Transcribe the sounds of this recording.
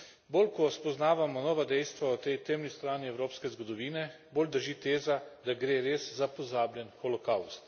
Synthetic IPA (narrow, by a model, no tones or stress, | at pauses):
boːlkɔspɔznaːʋamɔnɔːʋad̪ɛjst̪ʋaɔt̪ɛjt̪ɛmnist̪ɾaːniɛwɾoːpskɛzɡɔd̪ɔʋiːnɛ | boːld̪əɾʒiːt̪eːzad̪aɡɾeːɾeːszapɔzaːbljɛnxɔlɔkawst̪